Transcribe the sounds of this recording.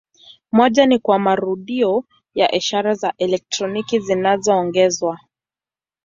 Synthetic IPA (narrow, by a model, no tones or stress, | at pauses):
mɔʄanikwamaɾuɗiɔ | jaʔiʃaɾazaʔɛlɛk̚tɾɔnikizinazɔːŋɡɛzwa